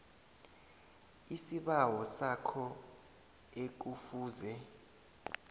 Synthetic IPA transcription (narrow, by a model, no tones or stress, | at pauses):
isiɓawɔsakʰɔ | ek̬ufuːzɛ